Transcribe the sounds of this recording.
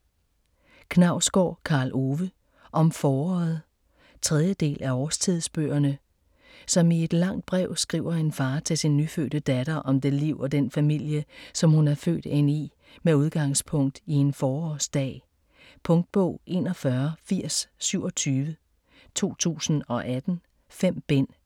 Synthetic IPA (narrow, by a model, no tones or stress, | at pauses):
kʰnɑ̈ʊ̰sɡ̥ɒ̰ːkʰɑ̈ːlʔo̝ʋə | ʔɒ̽mfɒːɒ̰ːð̩ˠ | t͡sʰʁɛð̞ˠjəd̥e̝̰ːlʔæɒːst͡sʰið̞̰ˠsb̥ø̰ːɐnə | sɒ̽mie̝d̥lɑ̈ŋ̰d̥̚b̥ʁɛʊ̰sɡ̥ʁḭʊ̰ɐe̝nfɑ̈ːt͡sʰe̝lsinːyfø̰ːɾ̥əd̥æd̥ɐʔɒ̽md̥e̝liʊ̰ɒ̽d̥enfæmil̰jəsɒ̽mhunæɐfø̰ːd̥e̝n̰i | meuð̞ˠɡ̥ɑ̈ŋ̰spʰɔ̽ŋ̰d̥ie̝nfɒːɒːsd̥ɛ̰ː | pʰɔ̽ŋd̥̚b̥ɔ̰̽ʊ̰ʔe̝ːnɒfɶɐfiɐ̰sːyʊ̰ɒ̽t͡sʰyːʋə | t͡sʰo̝̰ːt͡sʰṵːsn̩ɒ̽ʔæd̥n̩ | fem̰b̥en̰